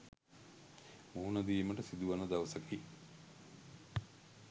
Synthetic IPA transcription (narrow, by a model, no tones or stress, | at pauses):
muːnɐd̪iːməʈəsid̪uʋanəd̪aʋəsəki